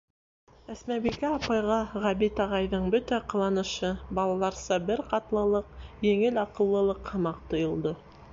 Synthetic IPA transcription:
æsmæbikæɑpɑjʁɑʁæbit̪ɑʁɑjðɤɴbɵt̪æqɤ̆lˠɑnɤ̆ʃɤbɑlˠɑlˠɑɾsɑbɘɾqɑt̪lˠɤ̆lˠɤq̚jɘ̆ŋɘlɑqɤ̆lˠːɤ̆lˠɤqhɤ̆mɑq̚t̪ŏjŏlˠd̪ɤ

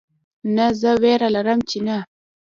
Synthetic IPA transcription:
nazəweɾalaɾəmt͡ʃena

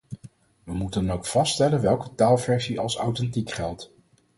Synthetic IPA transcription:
ʋəmutənowkfɑstɛlənʋɛlˠkətaːlˠvɛɹsiʔɑlˠsawtɛntikχɛlˠt

